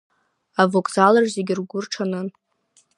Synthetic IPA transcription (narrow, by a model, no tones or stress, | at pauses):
avokʷʼzalarzeɡʲɪrɡʷʊrʈ͡ʂʰanɨn